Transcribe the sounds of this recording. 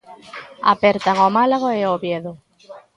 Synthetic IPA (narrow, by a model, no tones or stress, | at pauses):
a̰peɾt̪aŋomalaɣoeoβjeðo